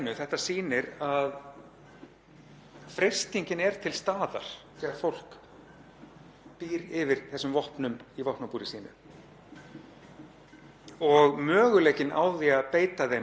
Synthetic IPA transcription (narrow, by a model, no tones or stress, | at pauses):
nːʏθɛht̪asiːnɪɾað | fɾej̥st̪iɲcɪnɛɾ̥t̪ʰɪlst̪aːða̰ɾ̥θɾɪaɾ̥fowl̥k | piːɾɪvɪɾ̥θɛsːʏmvɔhpnʏmivɔht̪napuːɾɪsiːnʏ̰ | ɔɣmœːɣʏleːjcɪna̰wðiaðpeːjt̪aðe